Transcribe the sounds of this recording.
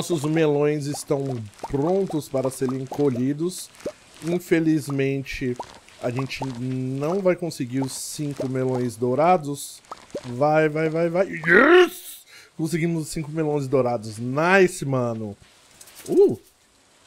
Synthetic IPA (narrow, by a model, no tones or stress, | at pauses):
nɔsʊzmelõj̃zɪst̪ɐ̃w̃pɾõnt̪ʊspaɾɐseɾ̃ẽkoʎid̪ʊs | ĩfelizmẽnt͡ʃɪ | ɐʒẽnt͡ʃɪnɐ̃w̃vajkõsɪɡiɾʊsĩŋkʊmelõj̃zd̪oɾad̪ʊs | vajvajvajvajs | kõsɪɡĩmʊzsĩkʊmelõj̃z̬d̪owɾad̪ʊznɐesɪmɐ̃nʊ | u